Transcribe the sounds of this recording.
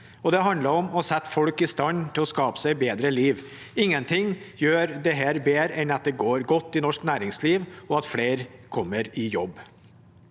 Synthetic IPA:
ɔd̪ɛɦɑnd̪ləɾɔmɔsɛt̪ːfɔlkɪst̪ɑnt̪ʰɪlɔskɑːpə̥sæɪbeːd̪ɾəliːʋ | ɪŋːənt̪ʰɪŋjøːɾd̪ɛɦæːɾbeːɾəʔɛnɑt̪̚d̪ɛɡoːɾɡɔt̪ːɪnɔʂknæːɾɪŋsliːʋɔɑt̪fleːɾkʰɔmːəɾɪjɔbː

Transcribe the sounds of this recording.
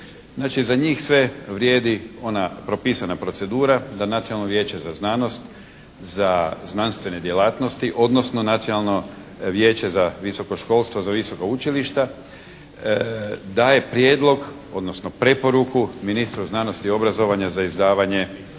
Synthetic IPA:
znaːt͡ʃizaɲiːxsʋe̞ʋɾjeːd̪io̞napɾo̞pisanapɾo̞t̪se̞d̪uːɾad̪anat̪sinalnoʋje̞ːt͡ɕe̞zaznano̞st̪ | zaznanst̪ʋe̞ne̞d̪je̞laːt̪no̞st̪iʔo̞d̪no̞sno̞nat̪sionalˠno̞ | ʋjeːt͡ɕe̞zaʋiso̞ko̞ʃko̞ːlˠst̪ʋozaʋiso̞kout͡ʃiliʃt̪a | d̪aːje̞pɾje̞ːd̪lˠo̞ɡ | o̞d̪nosnopɾe̞po̞ɾukuminist̪ɾuznano̞st̪io̞bɾazo̞ʋaɲazaizd̪aːʋaɲe̞

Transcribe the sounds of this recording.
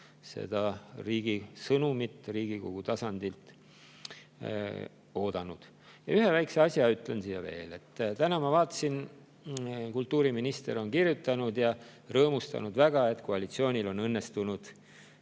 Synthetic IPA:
se̞̰d̪̥ɑriːɡ̥isɤnumit̪ːˑriːɡ̥iko̞̰ɡ̥ut̪ɑsɑnd̪̥ilt̪ | o̞ːd̪̥ɑnṵd̪̥ | jɑ̰yɦevæjkse̞ɑsʲjɑyt̪ːˑlensiːjɑ̰vḛːle̞t̪ːt̪ænɑmɑvɑːt̪ːˑɑ̥sin | kult̪ːˑuːɾiminist̪e̞̰ɾo̞nkirjut̪ːˑɑnud̪̥jɑrɤːmust̪ɑ̰nud̪̥væɡ̥ɑe̞t̪ˑkoɑlit̪sio̞ːnʲilo̞nɤnːest̪unud̪̥

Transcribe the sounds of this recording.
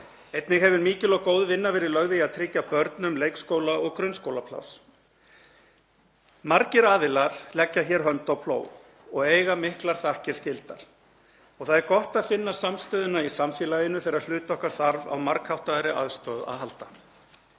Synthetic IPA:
ejt̪nɪɣɦɛvʏɾmiːcɪlɔkoːwðvɪnːavɛːɾɪlœɣðɪaðt̪ʰɾɪcːapœɾt̪nʏmlejkskoːwlaɔɣkɾʏnskoːwlapʰla̰ws | maɾcɪɾaːðɪlaɾ̥lɛcːaçɛːɾ̥ɦœnt̪awpʰlo̰ːw | ɔɣeːjɣamɪhklaɾ̥θahcɪɾ̥scɪlt̪a̰ɾ̥ | ɔɣθaðɛɾkɔht̪aðfɪnːasamst̪œːðʏnaisamfiːlajɪnʏθejɾaɾlʏːt̪ɔhkaɾ̥θaɾva̰wmaɾkhawht̪aɾɪʔa̰ðst̪œːða̰ðɦalt̪a

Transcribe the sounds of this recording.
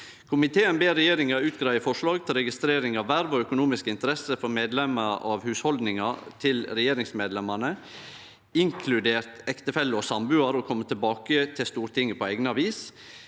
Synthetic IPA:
kʰʊmɪt̪ʰeːənbeːɾɛjeːɾɪŋɑʉːt̪̚ɡɾɑɪəfɔʂɭɑːɡt̪ʰɪlɾɛɡɪst̪ɾeːɾɪŋɑʋːæɾʋɔœkʊnuːmɪskəɪnt̪əɾɛsəfɔɾmeːd̪lɛməɑ̰ʋhʉːshɔld̪nɪŋɑt̪ʰɪlɾɛjeːɾɪŋsmeːd̪lɛmɑnə | ɪŋkʰlʉd̪eːɾt̪ɛkt̪əfɛlːəɔsɑmbʉːɑɾɔkʰɔmːət̪ʰɪlbɑːkət̪ʰɪst̪uːɾt̪ʰɪŋːəpʰɔɛɡnəɑʋiːs

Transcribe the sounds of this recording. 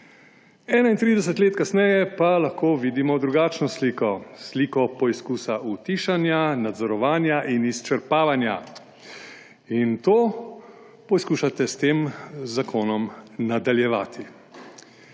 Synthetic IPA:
ɛːnaint̪ɾiːd̪ɛs̬ɛt̪leːt̪kasnɛjɛpalaxkoːʋiːd̪imɔd̪ɾuɡaːt͡ʃnɔsliːkɔsliːkɔpɔiskuːsaʔut̪iːʃanjanad̪zɔɾɔʋaːnjaʔinist͡ʃɛɾpaːʋanja̰ | int̪oː | pɔjskuːʃat̪ɛst̪eːmzakʰoːnɔmnad̪aljɛʋa̰ːt̪ʰi

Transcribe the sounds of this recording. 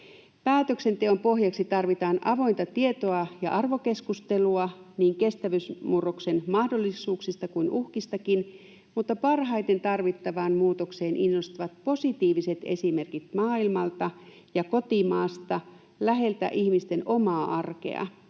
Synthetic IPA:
pæːt̪ø̞kse̞nt̪e̞o̞mpo̞ɦjɑksit̪ɑrʋit̪ɑːnʔɑʋo̞jnt̪ɑt̪ie̞t̪o̞ɑjɑ̰ʔɑrʋo̞keskust̪e̞luɑniːŋke̞st̪æʋysmurokse̞nmɑhdo̞lːisuːksist̪ɑkuinʔuhkist̪ɑkin | mut̪ːɑpɑrɦɑjt̪e̞nt̪ɑrʋit̪ːɑʋɑːnmuːt̪okse̞ːnʔinːo̞st̪iʋɑt̪̚po̞sit̪iːʋise̞t̪e̞̰sime̞rkit̪̚mɑːilmɑlt̪ɑ | jɑko̞t̪imɑːst̪ɑ | læɦe̞lt̪æ̰ʔihmist̪e̞no̞mɑːʔɑrke̞̰ɑ̰

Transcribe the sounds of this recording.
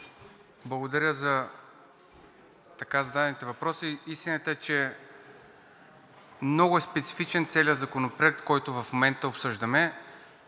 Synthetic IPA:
blˠɐɡod̪ɐɾʲəzɐ | t̪ɐkazɐd̪ad̪ɛnit̪ɛvɐpɾɔsiist̪inət̪əɛt͡ʃɛ | mnɔɡʊɛspɛt̪si̥fit͡ʃɛnt̪sɛlʲjəzɐkonopɾoɛk̚t̪kɔjt̪ʊvɐfmomɛnt̪əopsɤʒd̪əmɛ

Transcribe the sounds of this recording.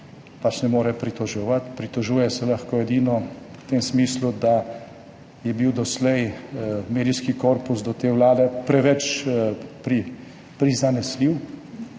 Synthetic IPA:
pat͡ʃnɛmoːɾɛpɾit̪ɔʒɔʋat̪pɾit̪ɔʒuːjɛsɛlaxkoːɛd̪iːnɔt̪eːmsmiːslud̪a | jɛbiwd̪ɔslɛjmeːd̪iskikoːɾpusd̪ɔt̪eːwlaːd̪ɛpɾɛʋɛt͡ʃ | pɾi | pɾizanɛsliw

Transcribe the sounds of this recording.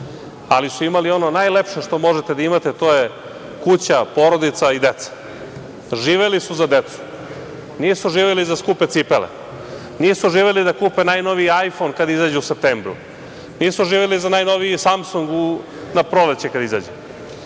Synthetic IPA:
a̰lisuimalio̞no̞najlepʃe̞ʂt̪o̞mo̞ʒet̪ed̪aimat̪et̪o̞je | kut͡ɕapo̞ɾo̞d̪it̪said̪e̞t̪sḁ | ʒiːʋelisuzad̪et̪su̥ | nisuʒiːʋelizaskuːpet̪sipelḛ | nisuʒiːʋelid̪akuːpenajno̞ʋiajfo̞nkad̪aizaːd͡ʑeusep̚t̪embɾṵ | niːsuʒiːʋelizanajno̞ʋiisamsuŋɡu | napɾo̞let͡ɕekad̪aiza̰ːd͡ʑe

